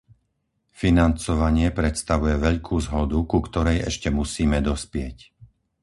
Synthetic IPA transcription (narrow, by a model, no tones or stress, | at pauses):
finant͡sɔʋaɲɪɛpɾɛt̪st̪aʋujɛʋɛʎkʰuːzɦɔd̪ukukt̪ɔɾɛjɛʃcɛmusiːmɛd̪ɔspɪɛc